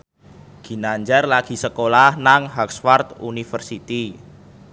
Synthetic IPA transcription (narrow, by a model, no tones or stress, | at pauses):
ɡ̥i̤naɲd͡ʒarlaɡ̥i̤səkolahnaŋɦɔksfart̪unifərsit̪i